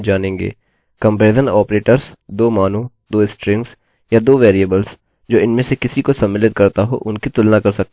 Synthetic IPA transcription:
d͡ʒaːnẽːŋɡḛː | kɐ̃mpeːd̪ənɔːpɾeːʈəɾsd̪oːmaːno | d̪oːɪsʈɾɪ̃ŋɡs | jad̪oːʋeːɾiəbəls | d͡ʒoːɪnmẽsekɪsikosɐmːɪlɪt̪̚kɐɾt̪aɦo̰ʔʊnkit̪ʊlnakɐɾsɐk̚t̪ː

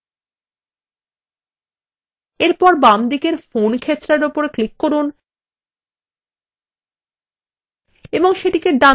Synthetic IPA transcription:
eɾpɔɾbamd̪ikeɾfonkʰet̪ːɾaɾopoɾeklikːoɾun | eboŋʃeʈikeɖa

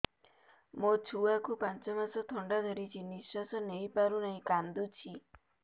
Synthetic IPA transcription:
mot͡ʃʰuakupant͡ʃɔmasɔt̪ʰɔɳɖad̪ʱɔɾit͡ʃʰiniswasɔnejpaɾunaɦĩkand̪ut͡ʃʰi

